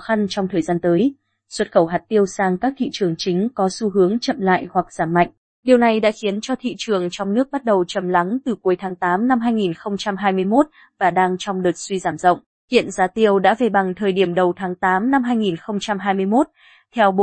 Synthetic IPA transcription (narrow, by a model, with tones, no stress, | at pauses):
xa˧nt͡ɕɔ˧wŋ͡mt̪ʰəː˨˩jzaː˧nt̪əː˨˦j | swə˦˥t̚xə˧˩wɦa˨˩t̚t̪i˧əwsaː˧ŋkaː˦˥k̚t̪ʰḭ˧˨t͡ɕɨ˨˩əŋt͡ɕï˨˦ŋ̟kɔ˨˦su˧ɦɨ˨˦əŋt͡ɕə̰˧˨mla̰ː˧˨jhwa˨˩k̚z̥aː˧˩mːa̰˧˨ŋ̟ | ɗi˨˩əwna˨˩jɗa̰ː˧˥xi˨˦ənt͡ɕɔ˧t̪ʰḭ˧˨t͡ɕɨ˨˩əŋt͡ɕɔ˧wŋ͡mnɨ˦˥ək̚ɓa˦˥t̚ɗə˨˩wt͡ɕə˨˩mla˨˦ŋt̪ɨ˨˩ku˨˦jt̪ʰaː˨˦ŋt̪aː˨˦mna˧mɦaː˧jŋi˨˩nxə˧wŋ͡mt͡ɕa˧mɦaː˧jmɨ˧əjmo˦˥t̚ | vaː˨˩ɗaː˧ŋt͡ɕɔ˧wŋ͡mɗɨ˨˩k̚swi˧zaː˧˩mzə̰˧˨wŋ͡m | hḭ˧˨ənzaː˨˦t̪i˧əwɗa̰ː˧˥ve˨˩ɓa˨˩ŋt̪ʰəː˨˩jɗi˧˩əmɗə˨˩wt̪ʰaː˨˦ŋt̪aː˨˦mna˧mɦaː˧jŋi˨˩nxə˧wŋ͡mt͡ɕa˧mɦaː˧jmɨ˧əjmo˦˥t̚ | t̪ʰɛ˧wɓ